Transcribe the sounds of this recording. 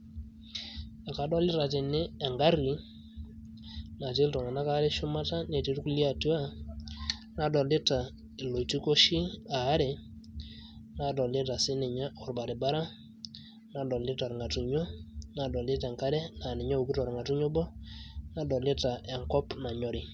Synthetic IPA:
a˨ka˨dɔ˦lɪ˦ta˨tɪ˨nɪ˦ɛ˨ŋɡa˦ɾi˨˦ | na˨t̬e˦ltɔ˨ŋa˨na˦ka˨˦ɾe˦ʃʊ˦ma˦ta˦ne˨ti˨˦ɾku˦li˦a˨ti˦wa˦˨ | na˨dɔ˨lɪ˦ta˨ | e˨lo˨ti˦ko˦ʃi˦aː˨˦ɾe˨ | na˨dɔ˨lɪ˦ta˨sɪ˦nɪ˨ɲa˦ɔ˨ɾba˨ɾe˨ba˦ɾa˦ | na˨dɔ˨lɪ˦tɔ˨ɾŋa˨tu˨ɲo˦na˨dɔ˨lɪ˦tɛ˨ŋka˦ɾɛ˦na˨nɪ˨ɲɔ˦u˨ki˦tɔ˨ɾŋa˨tu˦ɲo˦bɔ˦na˨dɔ˨lɪ˦ta˨ʔɛ˨ŋkɔ˦pna˨ɲɔ˦ɾɪ˨

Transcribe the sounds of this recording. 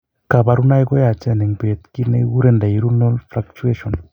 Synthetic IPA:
ka˨ba˧ɾu˦na˦jko˦ja˨t͡ʃa˦nɛ˨ŋbe˨t̪ki˦ne˦ɡu˦ɾe˦nda˨i˨ɾu˦lno˦lfɾak̚t͡ʃue˦ʃo˨n

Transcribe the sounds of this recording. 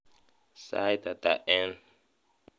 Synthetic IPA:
sa̰˦jt̪a˨t̪a̰˨ʔɛ˦n

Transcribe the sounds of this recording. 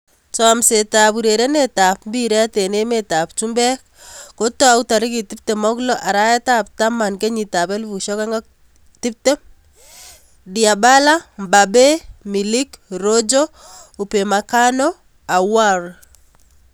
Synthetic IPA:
t͡ʃɔ˨mse˨ta˨pu˨ɾe˨ɾe˦ne˦ta˨pmbi˦ɾe˦a˦te˨ne˦meta˨p̚t͡ʃu˦mbɛ˦k | ko˦to˦a˨u˦ta˨ɾi˦ki˨ti˦p̚te˨mɔ˦klɔ˦ʔa˨ɾa˦ɛ˦ta˦p̚ta˦ma˨nke˦ɲi˨ta˨pɛ˦lβu˨ʃɔ˦ka˦ŋɡɔ˦k̚ | ti˦p̚te˦ | dia˨ba˦la˦mba˨be˦mi˨li˦kɾo˦d͡ʒo˦u˨pe˨ma˨ka˦nɔ˦ | a˨wa˦ɾ

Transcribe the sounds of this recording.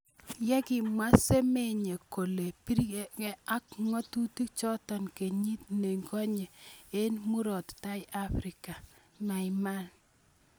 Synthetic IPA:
jɛ˦kɪ˨mwa˦se˦me˦ɲe˨ko˨le˨pi˦ɾikɛ˦a˦k̚ŋɔ˦tu˦ti˦kt͡ʃɔ˦tɔ˨nke˨ɲi˦t̚ne˨ŋɡɔ˦ɲe˨e˦nmu˦ɾɔ˨tta˦jʔa˦fɾi˨ka˨ | ma˨ima˦n

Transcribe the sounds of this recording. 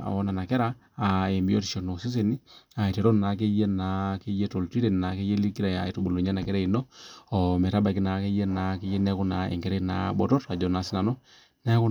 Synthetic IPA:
a̰˨ɔ˦na˨na˨kɛ˦ɾaː˦˨ | e˨mbi˦o˦ti˨ʃɔ˨no˨si˦s̬e˨ni˦a˨i˨te˨ɾo˦nna˨k̬e˦je˦na˨ke˦je˦to˨lti˦ɾe˨n˨na˨ke˦je˦li˦ki˦ɾa˨ja˨i˨tu˨bo˨lu˨ɲa˦na˨kɛ˦ɾɛ˦i˨nɔ˦ɔ˨mɛ˨ɾa˦ba˨ki˦na˨ke˦je˦na˨ke˦je˦nɛ˦ku˦na˨ḛ˨ŋɡɛ˨ɾe˦na̰˨˦bɔ˨tɔ˦ra˨d͡ʒɔ˨na˨˦sɪ˦na˨nɔ˦ | nɛ˦ku˦

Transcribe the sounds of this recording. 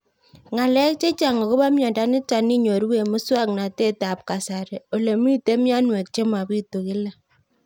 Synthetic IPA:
ŋa˨lɛ˦k̚t͡ʃe˦t͡ʃa˨ŋɡo˨ko˦ba˦mjɔ˨nda˦nɪ˦ta˨ni˦ɲo˨ɾwe˨mʊ˦swa˦kna˨te˦ta˨p̚ka˨sa˨ɾe˨o˨le˨mi˦te˦mja˦nwe˨k̚t͡ʃe˦ma˨bi˦to˨kɪ˦la˦

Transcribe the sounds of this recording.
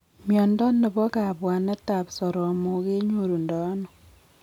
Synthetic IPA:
mjɔ˨ndɔ˦nːe˨bɔ˦ka˨pwa˨nɛ˦ta˨psɔ˨ɾɔ˨mo˨˦ke˦ɲo˨ɾu˨ndɔ˨˦nɔ˨

